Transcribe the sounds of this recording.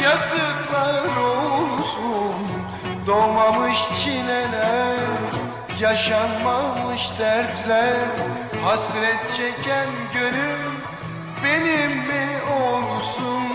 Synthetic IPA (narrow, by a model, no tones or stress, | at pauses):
jasɯk̪lˠaɾolˠusun | d̪omamɯʃt͡ʃʰinelæɾ | jaʃanmamɯʃd̪æɾt̪lʲæɾ | hasɾɛt̪̚t͡ʃʰɛcʰænɟønym | benimːiolˠsun